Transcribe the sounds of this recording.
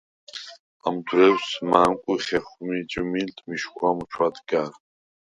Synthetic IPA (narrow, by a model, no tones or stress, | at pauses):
amdɾɛwsmaːnkʷʼʊχʲeχʷmid͡ʒʼɪmiltʰʼmiʃχʷamut͡ʃʷʰad̪ɡaːr